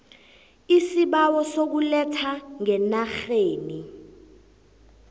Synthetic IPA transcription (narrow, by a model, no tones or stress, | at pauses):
isiɓawɔsok̬ulɛtʰaŋɛnaxeːni